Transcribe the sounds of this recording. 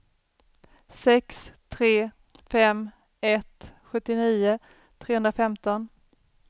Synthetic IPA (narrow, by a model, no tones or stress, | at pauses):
sɛkst̪ʰɾeː | fɛm | ɛt̪ɧɵt̪ːɪniːʊ | t̪ʰɾeːhɵnd̪ɾafɛmt̪ɔn